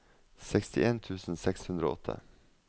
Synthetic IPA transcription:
sɛkst̪ɪʔeːnt̪ʰʉːsn̩sɛkshʉnd̪ɾo̰ɔt̪ʰə̰

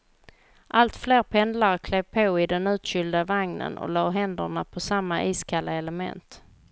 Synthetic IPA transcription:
ʔalt̪fleːɾpʰɛnd̪laɾkʰlɛvpʰoːɪd̪ɛnʉ̟ːt̪ɕʏld̪avaŋnə̰nʔɔ̰lɑːɦɛnd̪əɳapʰɔsamːaʔiːskʰalːaɛləmɛ̰nt̪

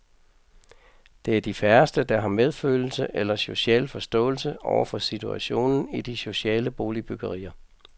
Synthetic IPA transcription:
d̥e̝æɐd̥ifæɐsd̥əd̥ɑ̈ɦɑ̈með̞ˠføːl̩səʔelɐso̝ɕɛ̰ːlfɒsd̥ɔ̰̽ːl̩səʔɒʊɐfɒ̽sit͡sʰuæɕo̝̰ːnn̩id̥iso̝ɕɛ̰ːləb̥o̝ːlib̥yɡ̥ɐʁḭːɐ

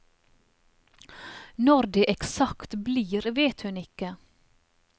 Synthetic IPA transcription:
nɔɾd̪eːʔɛksɑkt̪bliːɾʋeːt̪hʉnɪkə

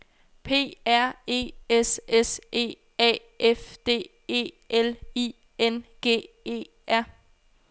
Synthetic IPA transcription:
pʰe̝̰ːæɐ̰e̝̰ːesesʔe̝̰ː | ɛ̰ː | efd̥e̝̰ː | e̝̰ː | ʔeli | enɡ̥e̝̰ː | e̝̰ː | æɐ̰

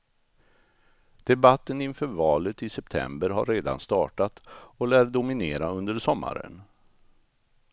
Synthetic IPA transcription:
d̪̥ɛbat̪ːənɪnfœːɾvɑːlət̪ɪsɛpt̪ʰɛ̰mbəɾɦa̰ɾːeːd̪a̰nst̪ɑːʈat̪ɔlæːɾɖʊmɪneːɾaɵnd̪əɾsɔmːa̰ɾə̰n

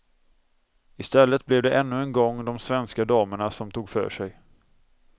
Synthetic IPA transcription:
ɪst̪ɛlːət̪̚blɛvd̪ɛʔɛnːɵɛnɡɔŋːd̪ɔmsvɛnskad̪ɑːməɳasɔmt̪ʰuːɡfœ̰ːʂɛj

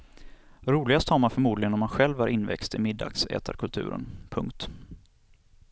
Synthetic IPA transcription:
ɾuːlɪɡast̪haɾmanfœɾmuːd̪lɪɡənɔmanɧɛlvæɾʔɪnːvɛ̰kst̪ɪmɪd̪ːa̰ksɛ̰ːt̪ʰa̰ɾkʰɵlt̪ʰʉ̟̰ːɾə̰npʰɵŋkt̪

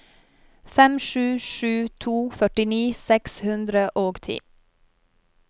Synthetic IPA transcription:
fɛmʃʉːʃʉːt̪ʰuːfœʈɪniːsɛkshʉnd̪ɾəʔoːɡt̪ʰḭː

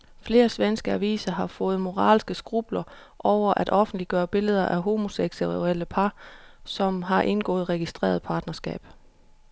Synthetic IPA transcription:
fle̝ːɐsʋensɡ̥əæʋḭːsɐɦɑ̈fɔ̽ːð̞̩ˠmo̝ʁɑ̰̈ːlsɡ̥əsɡ̥ʁub̥lɐ | ʔɒʊ̰ɐʔæd̥ʔɒ̽fn̩d̥liɡ̥ɶːɐb̥e̝ləð̞ˠɐʔæɦo̝mo̝seɡ̥seel̰əpʰɑ̈sɒ̽mɦɑ̈ʔe̝nɡ̥ɔ̰̽ːð̩ˠʁɛɡ̥isd̥ʁḛːɐð̞̩ˠpʰɑ̈ːd̥nɐsɡ̥ɛ̰ːb̥

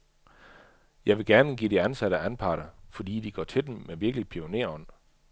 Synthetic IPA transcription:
jɑ̈ɪʋe̝ɡ̥æɐnəɡ̥ḭːd̥iænsæɾəænpʰɑ̈ːɾ̥ɐfɒ̽d̥ḭːd̥iɡ̥ɒ̰ːt͡sʰe̝d̥emmeʋiɐɡ̥lipʰio̝ne̝ɐ̰ɒ̽n̰

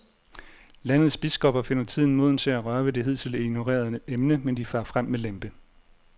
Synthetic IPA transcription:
læn̰ð̞̩ˠsb̥isɡ̥ɒ̽b̥ɐfe̝nɐt͡sʰið̞̰ˠn̩mo̝ð̰ˠn̩t͡sʰe̝æʁɶɐʋəd̥e̝ɦe̝ð̞̰ˠt͡sʰe̝leɡ̥no̝ʁḛːɐð̞ˠemnəmend̥ifɑ̈ːfʁam̰melemb̥ə

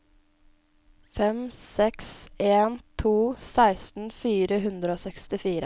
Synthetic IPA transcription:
fɛmsɛkseːnt̪ʰuːsæɪst̪n̩fiːɾəɦʉnd̪ɾəoːsɛkst̪ɪfiːɾə

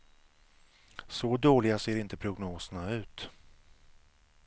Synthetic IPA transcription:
sɔd̪oːlɪɡaseːɾɪnt̪əpʰɾʊɡnoːsənaʉ̟ːt̪

